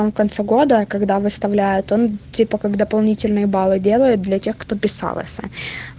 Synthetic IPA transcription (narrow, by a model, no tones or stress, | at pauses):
amfkɐnt̪sɛɡo̞d̪əkɐɡd̪avɨst̪ɐvlʲæjʊt̪ontʲipəkaɡd̪əpɐlˠnʲitʲɪlʲnɨjəbalˠɨdʲe̞lˠəjʊt̪̚d̪lʲɐtʲe̞xkt̪o̞pʲɪsa̰lˠə̰sʲə̰